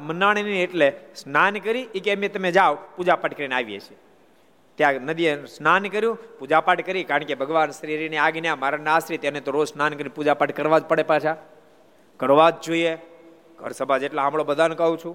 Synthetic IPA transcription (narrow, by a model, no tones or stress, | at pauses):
mənaɽ̃inieʈlesnankəɾiːkemet̪əmed͡ʒaʋpud͡ʒapaʈkəɾineaʋjḛt͡ʃʰe | t̪jãnəd̪iesnankəɾjũpud͡ʒapaʈkəɾikaɾəɳkebʱəɡʋansɾiɾineaɡnjãmaɾanasɾit̪jenet̪oɾod͡ʒsnankəɾipud͡ʒapaʈkəɾʋad͡ʒpəɽepaʃʰa | kəɾʋad͡ʒd͡ʒoie | ɡʱə̰ɾsəbʱad͡ʒeʈlaɦamɭobəd̪ʱankəɦũt͡ʃʰũ